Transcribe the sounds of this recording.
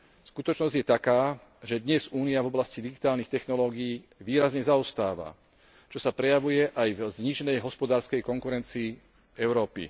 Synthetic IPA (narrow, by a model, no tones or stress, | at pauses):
skut̪ɔt͡ʃnɔzɟjɛt̪akaː | ʒɛd̪ɲɛzuːniavɔblascid̪iɡit̪aːlnixt̪ɛxnɔlɔːɡiiː | ʋiːɾazɲɛzaɔst̪aːʋa̰ | t͡ʃɔsapɾɛjaʋujɛʔajvzɲiʒɛnɛjɦɔspɔd̪aːɾskɛjkɔŋkuɾɛnt͡siː | ɛʊɾɔːpḭ